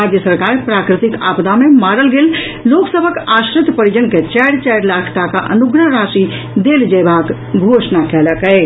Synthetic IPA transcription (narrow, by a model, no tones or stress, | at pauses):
ad͡ʒ̪jəsəɾkaːɾpɾaːkɾɪt̪ika̰ːpd̪amemaːɾəlɡeːl | loːksəbʱəkaʃɾɪt̪pəɾid͡ʒənket͡ʃɛɽt͡ʃɛɪɽlakʰt̪akaʔə̰nuɡɾəɦɾaːʃi | d̪eːld͡ʒəbaːk | ɡʱosnakɛːləkɛɪ